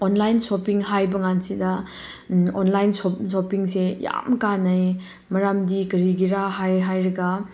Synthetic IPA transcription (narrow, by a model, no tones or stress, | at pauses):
onlajnsopiŋɦajbɐŋansidɐ | onlajnsosopiŋseja̰mkanɐj | mɐɾamdikɐɾiɡiɾaɦajɦajɾɐɡɐ